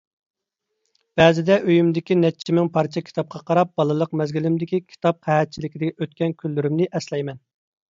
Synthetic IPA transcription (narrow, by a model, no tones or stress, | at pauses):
b̥ɛːzɪd̪ɛʔøjymd̪ɪkʲinɛt͡ʃʰimɪŋpʰɑɾt͡ʃʰɛkʲʰi̥t̪ʰɑp̚qʰɑqʰɑɾɑp̚b̥ɑlˠɨlˠəqmɛzɡʲilɪmd̪ɪkʲikʲʰi̥t̪ʰɑp̚qʰæhɛt̪̚t͡ʃʰilɪkʲid̪ɪʔøt̪kʲɛnkʲʰylːyɾymnɪʔɛslɛjmɛn